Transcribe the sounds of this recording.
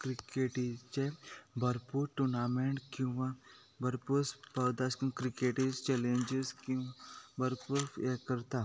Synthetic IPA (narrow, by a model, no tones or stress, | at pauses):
kɾikeʈit͡ʃebʱɐɾpuːɾʈunameɳʈkĩwʋã | bʱəɾpuɾspəwd̪askĩkɾikeʈist͡ʃɛlẽɲd͡ʒizkĩbʱɐɾpuɾekəɾt̪a